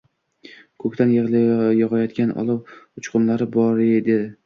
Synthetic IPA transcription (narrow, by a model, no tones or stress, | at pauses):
kʰɵkʲt̪ʰanjeʁljɒʁɑjɒd̪ɡʲanʔɒ̰lˠɪwʊt͡ʃqʰʊmlaɾɪbɒɾɪd̪e̞d̪ɪ